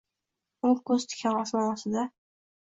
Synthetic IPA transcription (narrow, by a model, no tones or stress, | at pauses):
ʊkʰɵz̥t̪ʰɪ̥kʲʰanɒsnaɒsɪd̪a